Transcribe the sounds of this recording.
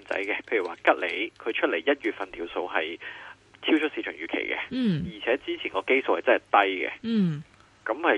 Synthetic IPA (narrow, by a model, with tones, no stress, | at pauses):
nt͡sɐ̰˨˥jkɛ˧pʰe˧jy˨˩waː˨˧kɐ˥t̚le˨˩jkʰɵ˨˧ɥt͡ʃʰɵ˥t̚le˨˩jjɐ˥t̚ɥyː˨t̚fɐ˨nt̪ʰiː˨˩wso˧wɦɐ˨j | t͡sʰiː˥wt͡ʃʰɵ˥t̚siː˧t͡ʃʰœː˨˩ŋjyː˨˩kʰḛ˨˩jkɛ̰˧jiː˨˩t͡sʰɛː˨˥t͡siː˥t͡sʰiː˨˩ŋɔː˨˧ke˥jso˨˧whɐ˨jt͡sɐ˥nhɐ˨˩t̪ɐ˥jkɛ̰˧˩ | kɐ˨˧˥mhɐ˨